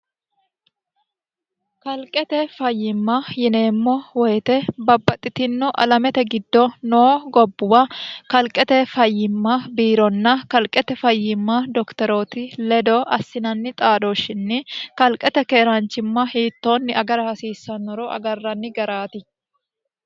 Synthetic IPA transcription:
kɐlkʼɛt̪ɛfɐjːɪmːɐjɪne̞ːmːɔwɔjɛt̪ɛbɐbːɐt̪ʼːɪt̪ɪnːɔʔɐ̰lɐmɛt̪ɛɡɪd̪ːɔnoːɡɔbːʊwɐkɐlkʼːɛt̪ɛfɐjːɪmːɐbiːɾɔnːɐkɐlkʼɛt̪ɛfɐjːɪmːɐd̪ɔkt̪ɛɾoːt̪ɪlɛd̪ɔɐsːɪnɐnːɪt̪ʼaːd̪oʃːɪnːɪkɐlkʼːɛt̪ɛkeːɾant͡ʃːɪmːɐhiːt̪ːoːnːɪɐɡɐɾɐhɐsiːsːɐnːɔɾɔʔɐ̰ɡɐrːɐnːɪɡɐɾaːt̪ɪ

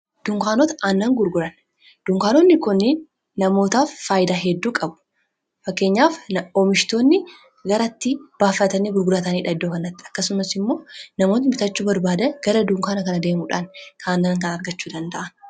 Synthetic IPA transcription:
d̪̥ʊŋkaːnoːt̪ɐʔaːnːɐŋɡʊɾɡʊɾɐn | d̪̥ʊŋkaːnonːɪkʊnːenː | ɐmo̞ːt̪aːfːaːjɪd̪aːɦɛd̪ːuːkʼɐbʊ̥ | fɐkːe̞ːɲːaːfomɪʃt̪o̞ːnːɪ | ɡɐɾɐt̪ːɪb̥aːfːɐt̪ɐniːɡʊɾɡʊɾɐt̪ɐniːᶑɐd̪ːoːkɐnːɐt̪ːɪɐkːɐsʊmɐsɪmːo̞ːnɐmo̞ːt̪ɪmɪt̪ɐt͡ʃːuːbɐɾbaːd̪ɐɡ̥ɐɾɐd̪ʊŋkaːnɐkɐnɐd̪e̞ːmuᶑankʰanːɐŋkɐnɐɾɡɐt͡ʃːuːd̪ɐnd̪ɐʔɐn

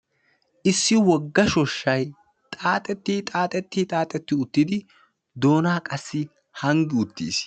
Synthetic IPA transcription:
ʔɪsːɪwɔɡːɐʃɔʃːɐj | t̪ʼaːt̪ʼɛt̪ːit̪ʼaːt̪ʼɛt̪ːit̪ʼaːt̪ʼɛt̪ːɪʊt̪ːɪd̪ɪ | d̪o̞ːnaːkʼɐsːɪ | hɐŋɡɪʊt̪ːḭːs

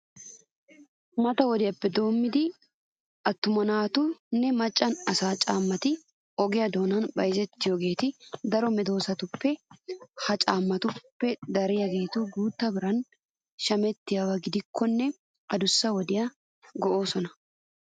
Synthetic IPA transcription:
mɐt̪ɐwɔd̪ɪjɐpːɛd̪o̞ːmːɪd̪ɪ | ʔɐt̪ːʊmɐnaːt̪ʊnːɛmɐt͡ʃʼːɐnɐsaːt͡ʃʼaːmːɐt̪ɪ | ɔɡɪjɐd̪o̞ːnɐnbɐjɪzɛt̪ːɪjoɡe̞ːt̪ɪd̪ɐɾɔmɛd̪o̞ːsɐt̪ʊpːɛhɐt͡ʃʼaːmːɐt̪ʊpːɛd̪ɐɾɪjɐɡe̞ːt̪ʊɡuːt̪ːɐbɪɾɐn | ʃɐmɛt̪ːɪjɐwɐɡɪd̪ɪkʰːɔnːɛ | ɐd̪ʊsːɐwɔd̪ɪjɐ | ɡɔʔo̞ːsɔnɐ

